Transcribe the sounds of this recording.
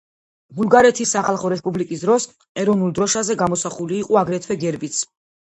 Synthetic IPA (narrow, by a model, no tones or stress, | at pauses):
bulˠɡaɾɛt̪ʰisːaχalˠχɔɾɛspʼublikʼisd̪ɾɔs | ɛɾɔvnulˠd̪ɾɔʃazɛɡamɔsaχuliːqʼɔaɡɾɛt̪ʰwɛɡɛɾbit̪sʰ